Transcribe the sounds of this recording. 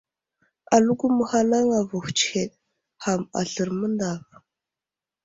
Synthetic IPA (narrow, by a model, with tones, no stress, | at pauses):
a˨lu˦ɡu˦mə˦˨xa˦la˦ŋa˨vu˨xʷt͡ʃxe˨ɗ̚ | xa˨ma̰˨ɬɨ˨ɾmə˦nda˨v